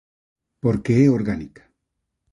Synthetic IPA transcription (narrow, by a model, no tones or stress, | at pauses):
poɾkeeoɾɡanikḁ